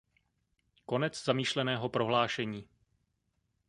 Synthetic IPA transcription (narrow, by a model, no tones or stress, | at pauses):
ko̞nɛt͡szamiːʃlɛnɛːɦopɾo̞ɦlaːʃɛɲiː